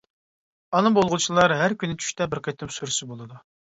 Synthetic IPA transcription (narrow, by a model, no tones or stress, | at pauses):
ɑnɨbolˠʁʊt͡ʃʰilˠɑɾɦæɾkʲynːɪt͡ʃʰy̥ʃt̪ɛbɪɾqʰəjt̪ʰɪmsuɾsɨbolˠɨd̪u